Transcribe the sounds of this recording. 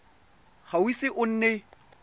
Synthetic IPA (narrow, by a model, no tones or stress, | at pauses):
χawisɪʔʊn̩ːnɛ